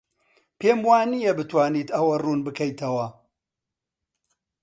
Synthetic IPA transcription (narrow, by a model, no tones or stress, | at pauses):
pʰeːmwaːnijɐbɨt̪waːniːt̪ɐwɐruːnbɨkʰɐjt̪ʰɐwɐ